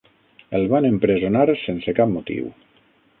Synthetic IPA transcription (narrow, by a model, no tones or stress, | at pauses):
elˠβanempɾezonaɾsensekap̚mot̪ḭw